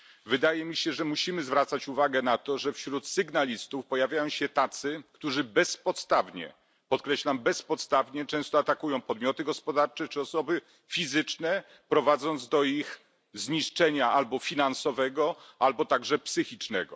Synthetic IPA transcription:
vɘd̪ajɛmʲiɕɛʐɛmuɕimɘzvɾat̪sat͡ɕuvaɡɛnat̪ɔʐɛfɕɾut̪sɘɡnalʲist̪ufpɔjavʲjajɔ̃w̃ɕɛt̪at̪sɘkt̪uʐɘbɛspɔt̪st̪avɲɛ̰ | pɔt̪̚kɾɛɕlambɛspɔt̪st̪avɲɛt͡ʂɛ̃w̃st̪ɔat̪akujɔ̃w̃pɔd̪mʲjɔt̪ɘɡɔspɔd̪aɾt͡ʂɛt͡ʂɘɔsɔbɘ | fʲizɘt͡ʂnɛ | pɾɔvad̪zɔnd̪zd̪ɔix | zɲiʂt͡ʂɛɲaʔalbɔfʲinansɔvɛɡɔalbɔt̪aɡʐɛpsɘxʲit͡ʂnɛɡɔ̰

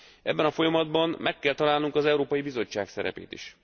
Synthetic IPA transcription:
ʔɛ̰bːɛnɒfo̞jɒmɒd̪bɒmmʔɛkːɛlt̪ɒlaːlnuŋkɒzɛuɾoːpɒjibizo̞t͡ʃːaːksɛɾɛ̰pḛːt̪ḭʃ

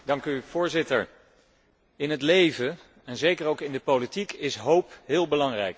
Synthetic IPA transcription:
dɑŋkyv̥ʊːɹzɪtəɹ | ɪnɦətlejvə | ɛnzejkərowkɪndəpolitikɪsɦowpɦɪːlˠbəlɑŋrɛjk

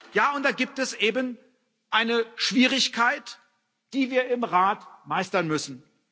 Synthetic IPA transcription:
jaːʊnt̚d̥aːɡiːp̚tɛsʔeːbən | ʔaɪnəʃv̥iːʁɪçkʰaɪt | d̥iːviːɐɪmʁaːtmaɪstɐnmʏsn̩

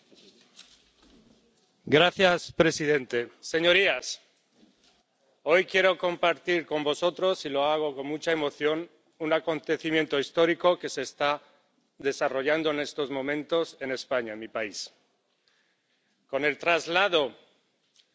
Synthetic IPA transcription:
ɡɾaθjaspɾe̞siðe̞nt̪e̞se̞ɲo̞ɾias | o̞jkje̞ɾo̞ko̞mpaɾt̪iɾko̞mbo̞so̞t̪ɾo̞silo̞aɣ̞o̞ko̞nmut͡ʃaemo̞θjo̞n | unako̞nt̪e̞θimje̞nt̪o̞ist̪o̞ɾiko̞ke̞se̞ːst̪a | ðe̞saro̞ʝand̪o̞ene̞st̪ozmõ̞mẽnt̪o̞se̞ne̞spaɲaemipais | ko̞ne̞lt̪ɾazlað̞o̞

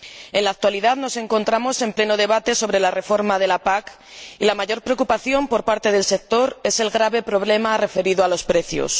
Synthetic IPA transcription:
e̞nlaːk̚t̪waliðaðno̞se̞ŋko̞nt̪ɾamo̞se̞mple̞noðe̞β̞at̪e̞so̞βɾe̞lare̞fo̞ɾmað̞e̞lapak | ilamaʝo̞ɾpɾeokupaθjo̞mpo̞ɾpaɾt̪e̞ðe̞lse̞k̚t̪o̞ɾe̞se̞lɣɾaβe̞pɾo̞β̞le̞mare̞fe̞ɾiðoalo̞spɾe̞θjo̰s

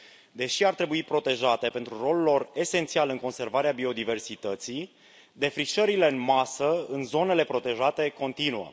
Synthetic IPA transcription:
d̪e̞ʃiaɾt̪ɾe̞buipɾo̞t̪e̞ʒat̪e̞pe̞nt̪ɾuro̞lulo̞re̞se̞nt̪sialɨŋko̞nse̞rvaɾeabio̞d̪ive̞rsit̪ət̪sij | d̪e̞fɾiʃəɾile̞ɨnmasəɨnzo̞ne̞le̞pɾo̞t̪e̞ʒat̪e̞ko̞nt̪inuə̰

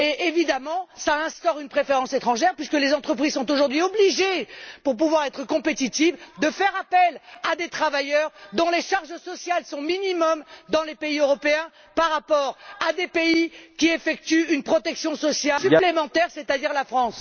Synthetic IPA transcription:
eʔevid̪amɑ̃saɛ̃st̪ɔʁynpχefeʁɑ̃set̪χɑ̃ʒɛʁpɥiskəlezɑ̃t̪χəpχizsɔ̃t̪oʒuʁd̪ɥiobliʒepuʁp̬uvwaʁɛt̪χəkɔ̃pet̪it̪ivd̪əfɛʁapɛlad̪et̪χavajœʁd̪ɔ̃leʃaʁʒəsɔsjalsɔ̃minimɔmd̪ɑ̃lepeiøʁɔpeɛ̃ | paʁːapɔʁad̪epeikʲiefɛk̚t̪yynpχɔt̪ɛksjɔ̃sɔsjasyplemɑ̃t̪ɛʁset̪ad̪iʁlafχɑ̃s

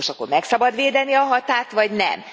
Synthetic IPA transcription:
ʃoko̞̰mːɛksɒbɒd̪ʋeːd̪ɛniɒɦɒt̪aːt̪ʋɒɟnɛ̰m

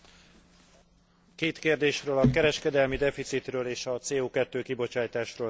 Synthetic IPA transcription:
keːt̪keːrd̪eːʃrøːlɒkɛɾɛʃkɛd̪ɛlmid̪ɛfit̪sit̪røːleːʃɒt̪seːoːkɛt̪ːøːkibo̞t͡ʃaːjt̪aːʃroː

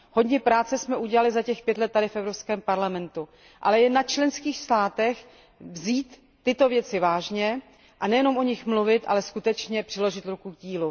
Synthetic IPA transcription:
ɦo̞dɲɛpɾaːt͡sɛsmɛʔuɟɛlalɪzacɛxpjɛt̪lɛt̪̚ːadɪfʔɛvɾopskɛːmpaɾlamɛnt̪u | ʔa̰lɛjɛnat͡ʃlɛnskiːxst̪aːt̪ɛx | vziːt̪ː | ɪt̪o̞vjɛt͡sɪvaːʒɲɛ | ʔanɛjɛno̞mʔo̞ɲɪxmluvɪt̪ʔa̰lɛskut̪ɛt͡ʃɲɛpr̥ɪlo̞ʒɪt̪ɾukuɡɟiːlu

